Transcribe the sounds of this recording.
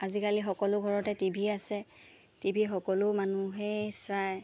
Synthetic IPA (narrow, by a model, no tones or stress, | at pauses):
azikalixɔkɔlʊɡʱɔɹɔtɛtibʱiasɛ | tibʱixɔkɔlʊmanuɦɛsaj